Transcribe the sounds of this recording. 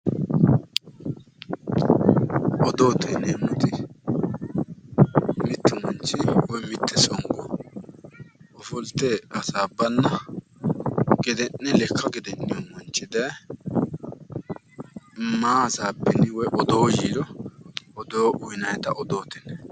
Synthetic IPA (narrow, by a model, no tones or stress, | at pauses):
ʔɔd̪o̞ːt̪ɛnemʊt̪ɪ | mɪt̪ːɪmɔnt͡ʃːɪwɔjmɪt̪ːɛsɔŋɡɔ | ɔfɔlt̪ːeːɐsaːbːɐnːɐ | ɡɪd̪ɛnːɛlɛkʰːɐɡɪd̪ɛnːɪjɔnmɔnt͡ʃːɪd̪ɐ | ɪmːaːsaːbɛnɪwɔjʔɔd̪oːjiːd̪ɔ | ɔd̪oːʔʊjɪnɐjt̪ɐʔɔd̪oːt̪ɛnɛ